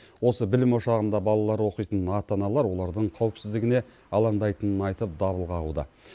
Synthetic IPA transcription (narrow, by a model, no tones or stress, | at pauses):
wo̞səbɪlɪmo̞ʃɑʁənd̪ɑbɑlˠɑlˠɑɾwo̞qijt̪ənɑt̪ɑnɑlˠɑɾwo̞lˠɑɾd̪əɴqʰɑwɪpsɪzd̪ɪɡʲɪne̞ | ɑlˠɑɴd̪ɑjt̪ənənɑjt̪əp̚d̪ɑβəlˠʁɑʁṵd̪ə̰